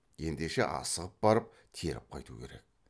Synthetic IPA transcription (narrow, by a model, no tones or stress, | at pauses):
je̞nd̪e̞ʃe̞̰ʔɑ̰səʁəp̚bɑɾəp̚ | t̪ʰeɾɪ̰p̚qʰɑjt̪ukʲʰe̞ɾe̞̰k̚